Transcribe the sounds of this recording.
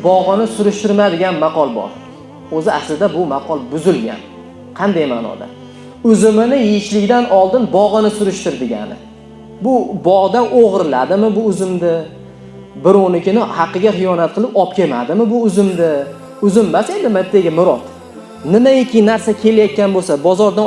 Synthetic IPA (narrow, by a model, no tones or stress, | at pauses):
bɒʁɨnɪsʊɾʊʃt̪ɪɾmad̪ɪɡʲanmɑqʰɒlˠbɒ̰ɾ | ɵzɪaslɪd̪abʊmɑqʰɒlˠbʊzɪlɡʲa̰n | qʰɑnd̪ajma̰ːnɒ̰d̪a̰ | ʊzɪmɪnɪjɪɪʃlɪɡʲd̪anɒlˠd̪ɪnbɒʁɨnɪsʊɾʊʃt̪ɪɾd̪ɪɡʲa̰nɪ̰ | bʊbɒʁd̪anoʁɾɪla̰d̪ɪmɪbʊʊzɪmd̪ɪ | bɪɾonɪkʲɪnɪhɑqːɨɡʲaχɨjɒnat̪̚qʰɨlˠɪpɒp̚kʲʰe̞ma̰d̪ɪmɪbʊʊzɪmd̪ɪ | ʊzɪmːase̞nd̪ɪmat̪ʰːeɡʲɪmʊɾɒt̪ | nɪmaekʲʰɪnaɾsakʲʰe̞lajɒt̪̚kʲanbosabɒzɒɾd̪a